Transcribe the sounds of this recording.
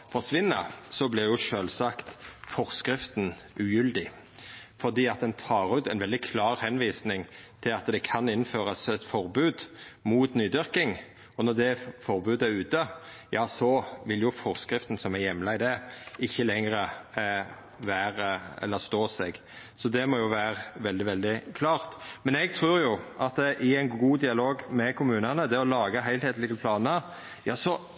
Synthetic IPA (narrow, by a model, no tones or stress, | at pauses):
fɔʁʂʋɪnːəsɔblɪʁjʊʂøːlsɑkt̪fɔʁskɾɪft̪n | ʔʉjʏld̪ɪ | fɔʁd̪iːɑt̪̚d̪ɛnt̪ʰɑːɾʉːt̪ɛnʋɛld̪ɪkʰlɑːʁhɛnʋiːsnɪŋt̪ʰɪlɑt̪d̪ɛkʰɑnɪnføːɾəsɛt̪fɔʁbʉːd̪muːt̪nyːd̪ʏɾkɪŋ | ɔnɔʁd̪ɛfɔʁbʉːd̪æɾʉːt̪ə | jɑːsɔʋɪljʊfɔʁskɾɪft̪n̩sɔmæɾjɛmlɑɪd̪ɛɪçːəlɛŋɾə | ʋæːɾəɛ̰lːəɾst̪oːsɛɡ | sɔd̪ɛmɔjʊʋæːɾəʋɛld̪ɪʋɛld̪ɪkʰlɑːʁt̪mɛnɛɡ̚t̪ʰʁʉːɾjʊʔɑt̪ɛʔɪæɪnɡuːd̪ɪɑloːɡmɛkʰʊmʉːnɑnəd̪ɛɔlɑːɡəɦæɪlheːt̪lɪɡəpʰlɑːnəɾ | jɑːsɔ